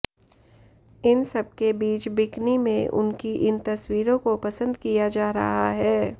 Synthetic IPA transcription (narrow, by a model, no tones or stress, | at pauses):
ɪnsɐb̚kebiːt͡ʃbɪknimḛ̃ʔʊ̰nkiʔɪnt̪ɐswiːɾõkopɐsə̃nd̪kijad͡ʒaːɾɐ̰ɦaɦɛː